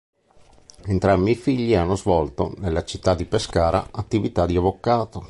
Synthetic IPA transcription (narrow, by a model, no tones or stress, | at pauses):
ent̪ɾambifiʎːianːozvɔlt̪o̰nelːat͡ʃit̪ːad̪ːipeskaːɾa̰at̪ːivit̪ad̪ːiavokaːt̪o